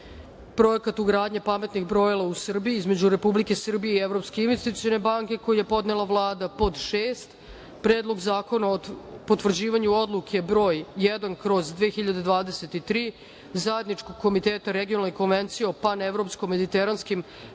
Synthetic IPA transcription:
pɾo̞ekat̪uɡɾaːd̪ɲapame̞t̪nixbɾo̞jalˠausr̩bijiizme̞d͡ʑuɾe̞publike̞sr̩bijeievɾo̞pskeinʋest̪it̪sio̞ne̞baŋke̞ko̞jujepo̞d̪nelˠavlˠaːd̪apo̞d̪ʃeːst̪ | pɾeːd̪lo̞ɡzaːko̞naopot̪ʋr̩d͡ʑiːʋaɲuo̞d̪lˠukʰebɾo̞ːjːɛd̪ankɾo̞zd̪ʋeːxiʎad̪e̞d̪ʋaːd̪ese̞t̪it̪ɾiː | zaje̞d̪nit͡ʃko̞ɡ̚kːo̞mit̪eːt̪aɾeɡionalneko̞nʋent̪sijeo̞panevɾo̞pskome̞d̪it̪eɾanskim

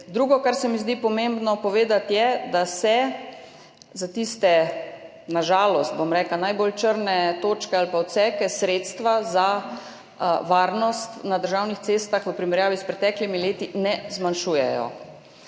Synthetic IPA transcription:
d̪ɾuːɡɔkaɾsɛmizd̪ipɔmembnɔpɔʋeːd̪at̪jɛd̪asɛ | zat̪ist̪ɛ | naʒaːlɔst̪̚bomɾɛːklanajbolt͡ʃəɾnɛt̪oːt͡ʃkɛalpaɔt̪sɛkɛsɾeːt̪st̪ʋaza | ʋaːɾnɔst̪nad̪əɾʒaːwnixt̪seːst̪axʋəpɾimɛɾjaːʋispɾɛt̪ɛːklimileːt̪inɛzmanʃuːjɛjɔ̰

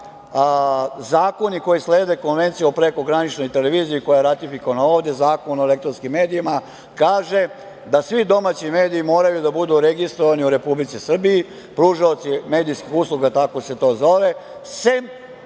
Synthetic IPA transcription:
zaːko̞niko̞jisle̞ːd̪eko̞nʋe̞nt̪sijeopɾe̞ko̞ɡɾanit͡ʃno̞jt̪eleʋiːziikojajeɾat̪ifikoʋanao̞ːʋd̪ezaːko̞noelek̚t̪ɾonskimːe̞ːd̪iima | kaːʒe | d̪asʋid̪o̞maːt͡ɕime̞ːd̪iːmo̞ːɾajud̪abud̪uɾe̞ɡist̪ɾoʋaniuɾe̞publit̪sisr̩biji | pɾuʃaot̪sime̞ːd̪ijskixuslˠuɡat̪ako̞se̞t̪o̞ːzo̞ʋese

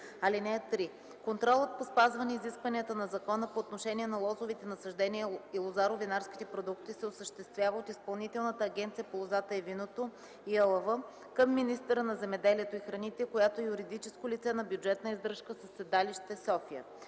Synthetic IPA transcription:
ɐlinɛt̪ɾi | kont̪ɾɔlˠət̪̚pospazvɐnɛiziskvɐniət̪ənɐzɐkɔnəpoːt̪noʃɛniɛnɐlˠɔzovit̪ɛnɐsɐʒd̪ɛniəilˠozaɾovinaɾskʲi̥t̪ɛpɾod̪ukt̪isɛosəʃt̪ɛst̪vʲjavəot̪ispɐlˠnit̪ɛlˠnət̪əːɡʲɛnt̪sijəpolˠozat̪əɛvinot̪o | iəlˠɐvə | kəmːinist̪əɾənɐzɛmɛd̪ɛliɛt̪oixɾɐnit̪ɛkojat̪oɛjuɾid̪it͡ʃɛskolit̪sɛnɐbjud͡ʒɛt̪nəizd̪ɾɤʃkəsəsːɛd̪aliʃt̪ɛsɔfiə̰

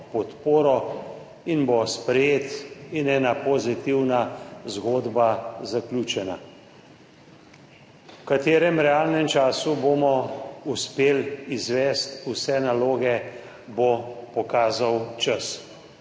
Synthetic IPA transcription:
pɔt̪poːɾɔ | inbospɾɛjeːt̪inɛːnapɔzit̪iwnazɡoːd̪bazaklʲjuːt͡ʃɛna̰ | wkat̪eːɾɛmɾɛaːlnɛmt͡ʃaːsuboːmɔuspeːlizʋɛːst̪usɛnaloːɡɛ | bopɔkaːzawt͡ʃəs

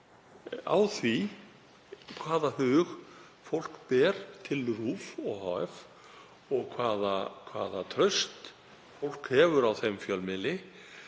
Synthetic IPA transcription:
a̰wθvi | kʰvaːðahʏːɣ | fowl̥kpɛːɾ̥t̪ʰɪlruːfɔɣɦaːɛf | ɔɣkʰvaːðakʰvaːðat̪ʰɾœɥst̪ | fowl̥khɛːvʏɾawθejmfjœlmɪlɪ

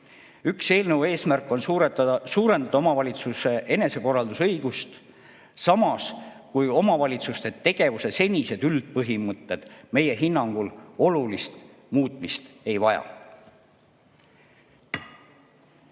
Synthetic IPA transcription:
ykse̞ːlnəwe̞ːsmærkːˑo̞nsuːɾe̞nd̪̥ɑd̪ɑomɑvɑlʲit̪suse̞ʔe̞ne̞se̞ko̞rːɑld̪usɤjɡ̥ust̪ | sɑmɑskujo̞mɑvɑlʲit̪sust̪e̞t̪e̞ɡ̥e̞vuse̞se̞nʲise̞d̪yld̪̥̚pɤɦimɤt̪ːe̞d̪̥me̞je̞ɦinːɑŋɡ̥ulo̞lulist̪ | muːt̪ˑmist̪e̞jvɑjɑ̰

